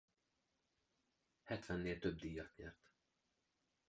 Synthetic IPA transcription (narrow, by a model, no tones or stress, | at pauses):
hɛt̪ʋɛnːeːlt̪øbd̪ijɒt̪jḛːrt̪